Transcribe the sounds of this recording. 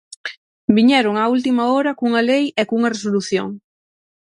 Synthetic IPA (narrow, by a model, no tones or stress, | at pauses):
biɲɛɾʊŋault̪imaoɾɐkuŋalejekuŋɐresoluθjo̰ŋ